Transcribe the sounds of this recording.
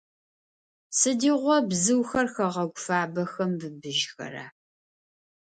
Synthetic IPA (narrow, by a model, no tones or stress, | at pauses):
sɨdiːʁʷɔbzɨwxɐrxɐʁɐɡʷʊfaːbɐxɐmbɨbɨʒxɐ̰ɾa̰ː